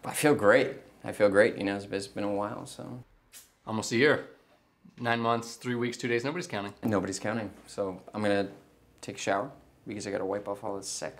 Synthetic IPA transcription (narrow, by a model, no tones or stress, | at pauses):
aɪfilˠɡɹeɪt̚ | aɪfilˠɡɹeɪʔjʔɨ̰noʊɨsbɨsb̥ɨ̃ñəwaɪlˠsoʊ | ɔlˠmoʊstɨjɪɹ | nãɪ̃nmʌ̃nθsθɹiwikstʰʉɾeɪznoʊbɨɾiz̥kãʊ̃ñɪ̃ŋnoʊbəɾiz̥kʰãʊ̃ñɪ̃ŋsoʊʔãɪ̃mɡʌnɨ | tʰeɪkʃaʊə˞ | b̥ɨkʰʌzaɪɡɑ̰ɾəwaɪpɔfɔ̰lˠðəsɛ̰k